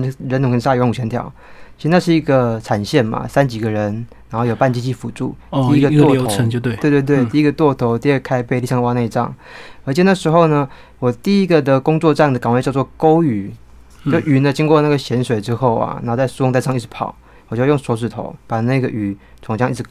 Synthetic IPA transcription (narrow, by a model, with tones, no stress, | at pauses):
ɻə˧˥nt̪ʊ˧ŋkə˧˥˧a˥˧˨wnu˨˩ɕʰɛ˧nt̪ʰjɑ̰˨˥ʊ | t͡ɕʰi˧˥ɻ̩˧na˥˧ʂɻ̩˥˩i˧˥ɡə˨ʈ͡ʂʰa˨˩nɕjɛ˥˩nmɐ̰˩sa˥nt͡ɕi˨˩ɡə˦ɻə˧˦˥nna˧˥nxo˥˩jo˨˩ʊpa˥˩nt͡ɕi˥˧t͡ɕi˥˩fu˨˩ʈ͡ʂṵ˥˩t̪i˥˧i˥ɡə˧t̪ɔ˥˧˥ə˧˦ŋ˧e˥˩˨we˥˧t̪we˥˧t̪we˥˩ɪt̪i˥˧i˥ɡə˧t̪wɔ˥˩t̪ʰo˧˥ʊt̪i˥˧ə˥˩kʰa˥ɪpe˥˧ɪli˥˧jɑ˥˧ŋ˧wa˥ne˥˧ɪ˧ʈ͡ʂɑ̰˥˩ŋə˧˥t͡ɕʰɛ˨˩˦na˥˩ʂɻ̩˧˥xo˥˩ʊnə˩ | wɔ˨˩t̪i˥˩i˦˥ɡə˨d̪ə˨kʊ˥ŋt͡swɔ˥˧ʈ͡ʂa˥˩ŋd̪ə˩ka˨˩ŋwt͡ɕjɑ˥˧ʊt͡swɔ˥˩ko˥ʊy˨˩˦ | t͡ɕjo˥˩ʊy˨˩nə˨t͡ɕi˥ŋkwɔ˥˧na˥˩ɡə˩ɕjɛ˧˥nʂwe˨˩ɪʈ͡ʂɻ̩˥xo˥˩ʊɐ̰˩na˧˥xt͡sa˥˩ɪsu˥wŋt̪ʂʰɑ˥˧ŋi̥˥˩˧pʰɑ̰˨˩˦ʊ | wɔ˨˩t͡ɕjo˥˧ʊjʊ˥˩ŋswɔ˧˥ʂ̬ɻ̩˨˩t̪ʰo̰˧˥˦ʊpa˨˩na˥˩ɪɡə˨ʔy˨˩t͡sʰʊ˧˥ŋɕʰjɑ˥˦ŋi˥˩ʂ̩ʰ˧